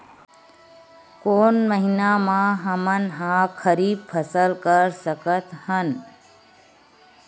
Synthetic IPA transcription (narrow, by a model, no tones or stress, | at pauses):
koːnməɦɪnamãɦəmənɦãːkʰəɾiːb̚pʰəsəlkəɾsəkət̪hən